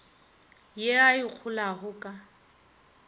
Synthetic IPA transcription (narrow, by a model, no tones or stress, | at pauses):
jeaik͡xʰʊlaɣʊkʼa